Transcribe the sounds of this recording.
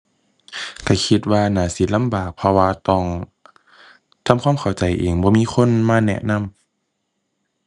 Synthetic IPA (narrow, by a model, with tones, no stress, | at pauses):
ka˧˩kʰi˧t̪̚waː˧naː˨˦si˧˦t̪̚la˧˥˨mbaː˨˩k̚pʰɔ˧waː˧t̪ɔː˧˩ŋ | t̪ʰa˧˥˨mkʰwaː˧˥˨kʰa˨˩wt͡ɕa˨˩jʔeː˨˩ŋbɔː˧miː˧˥˨xʰo˧˥˨nmaː˧˥˨nɛ̰˧˨ʔna˧˥˨m